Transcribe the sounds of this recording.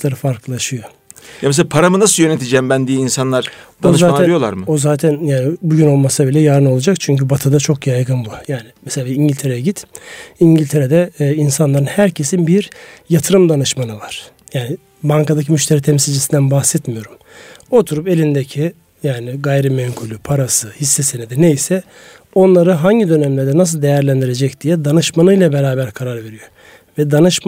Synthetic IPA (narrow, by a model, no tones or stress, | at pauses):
lˠaɾɯfaɾklˠɯlˠaʃɯjo̞ | james̬eapʰaɾamɯnasɯjø̞net̪ʰid͡ʒɛmbænd̪ijiinsanlˠaɾ̥aozaːɛjolˠa̰ɾmɯozaːt̪ʰɛnjaːnɪbuɟyno̞lˠmasabilʲɛjaːɾɯno̞lˠad͡ʒakt͡ʃʰyɲcybat̪ʰɯd̪at͡ʃʰo̞kjajɡɯnbujaːnɪmɛselʲaːiɲɟilʲt̪ʰe̞ɾejɛɟit̪iɲɟilʲt̪ʰeɾed̪ɛinsanlˠaɾɯnhæɾcʰe̞sinbiɾjat̪ʰɯɾɯmd̪anɯʃmanɯvaɾ̥ | jaːnɪ | baŋkad̪acʰimyʃt̪ʰeɾiːt̪ʰɛmsilʲd͡ʒisind̪ænbaxsɛt̪mijo̞ɾum | o̞t̪ʰuɾupe̞lʲind̪ecʰi | jaːnɪɡajɾimɛŋkʰulʲypʰaɾasɯhisːɛsened̪inejsɛ | o̞nlˠaɾɯɦaɲɟid̪ø̞nɛmlʲæɾd̪ɛnas̬ɯlˠd̪e̞jæɾlʲænd̪iɾe̞d͡ʒɛcd̪̥ijɛd̪anɯʃmanɯjlˠabeɾaːbæɾkʰaɾaɾve̞ɾijo̞ | vɛd̪anɯʃ